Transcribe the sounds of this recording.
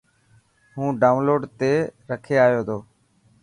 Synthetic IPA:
ɦũːɖaːʊ̃nloːɖt̪eːɾəkʰeːaːjoːt̪ʰoː

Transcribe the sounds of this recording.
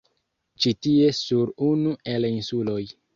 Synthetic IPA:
t͡ʃitie̞suɾunuʔe̞linsulo̞j

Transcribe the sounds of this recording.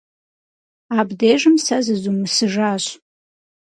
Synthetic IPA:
abdeʒɨmsazɨzumɨsɨʒaɕʷ

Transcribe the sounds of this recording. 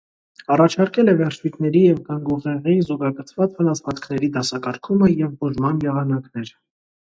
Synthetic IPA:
ɑrɑt͡ʃʰɑɾkɛlɛvɛrt͡ʃʰvit̪ʰnɛɾijɛvɡɑŋɡuʁɛʁizɔɡɑɡət͡sʰvɑt͡svənɑsʰvɑt͡skʰnɛɾid̪ɑsɑkɑɾkʰuməjɛvbɔʒmɑnjɛʁɑnɑknɛɾ

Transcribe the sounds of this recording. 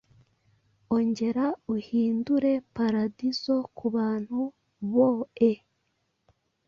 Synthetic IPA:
o̞ɲɟe̞ɾauhiːnduɾe̞paɾadizo̞kuβaːn̥hu | βoe

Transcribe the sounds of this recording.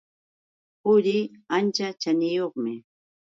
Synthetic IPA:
pʊɾɪant͡ʃat͡ʃanɪjoχmɪ

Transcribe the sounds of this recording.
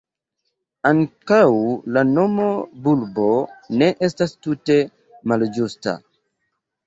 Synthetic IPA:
aŋkawlano̞mo̞bulbo̞ne̞ʔe̞stastute̞ | mald͡ʒusta̰

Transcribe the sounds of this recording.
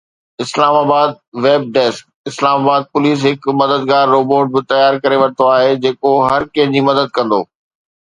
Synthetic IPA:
ɪslaːmaːbaːd̪̚ | ʋeːb̚ɖɛːsk̚ | ɪslaːmaːbaːd̪̚pʊliːs̬ɦɪkmɐd̪əd̪ɡaːɾːoːboːʈ̚bɪt̪ɐjaːɾkɐɾeʋɐɽ̃t̪oaːɦed͡ʑeːkoɦɐɾkɐ̃ɦɪ̃d͡ʑiːmɐd̪əd̪̚kɐ̃nd̪oː

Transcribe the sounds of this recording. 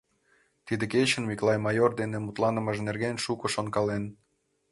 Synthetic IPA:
t̪id̪ĕket͡ɕə̆nmiklˠɑjmɑjord̪enemut̪lɑnə̆məʒnerɣenʃukŏʃonkɑlen

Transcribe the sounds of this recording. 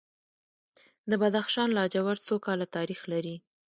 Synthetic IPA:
d̪əbad̪axʃɑnlɑd͡ʒawaɾt͡sokɑlat̪ɑɾixlaɾi

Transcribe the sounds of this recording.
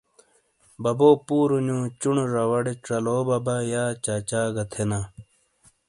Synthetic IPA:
bɐboːpuːɾuɲũːt͡ɕuɳoɾɐwɐɽeʈ͡ʂɐloːbɐbajaːt͡ɕaːt͡ɕaːɡɐt̪ʰena

